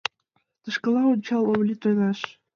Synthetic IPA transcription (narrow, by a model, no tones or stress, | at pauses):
t̪ɤ̆ʃkɤ̆lˠɑunʲt͡ɕɑlˠoβlʲit̪ojnɑʃ